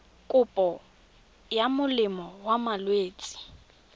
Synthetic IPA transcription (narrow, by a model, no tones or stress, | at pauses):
kʼʊpʼɔ | jamʊlɪmɔwamalweːt͡sʼi̥